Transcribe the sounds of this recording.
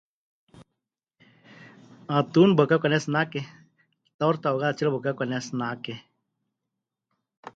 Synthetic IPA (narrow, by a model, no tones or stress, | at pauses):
at̪unbəkakʷanesnake | t̪awɾt̪aoɣaðat͡ʃilbəkakʷanesnake